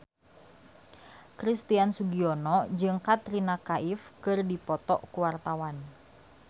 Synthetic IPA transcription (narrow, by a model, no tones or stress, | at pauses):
kɾist̪iansuɡiɔnɔd͡ʒɨŋkat̪ɾinakaʔifkɨrdipɔt̪ɔʔkuwart̪awan